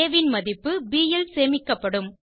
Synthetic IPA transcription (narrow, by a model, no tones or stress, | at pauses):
ʋɪnmɐðɪpːɯbiːjɛlseːmɪkːɐpːɐɽɯm